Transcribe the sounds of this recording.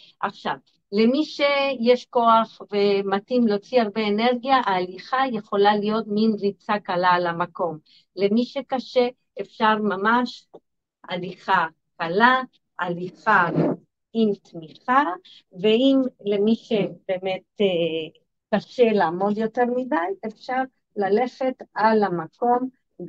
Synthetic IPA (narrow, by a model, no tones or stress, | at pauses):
ʔaχʃa̰v | lemiʃe̞jeʃko̞aχvematimlot͡siaʁbe̞ːne̞ʁɡijaʔaːliχaje̞χo̞lalijo̞t̪minʁit͡sakalalamako̞m | le̞miʃekaʃe̞ | efʃaʁmamaʃ | ʔa̰liχa | kala | ʔaliχa | imt̪miχa | ve̞imle̞miʃebe̞ːme̞t̪e | kaʃe̞laːmo̞d̪jo̞te̞ʁmidajefʃaʁ | lale̞χe̞talamako̞m